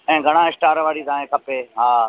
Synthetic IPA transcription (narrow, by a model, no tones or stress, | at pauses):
ɛ̃ːɡʱɐɽ̃ãːɪsʈaːɾʋaːɽit̪ãːẽːkʰɐpeːɦaː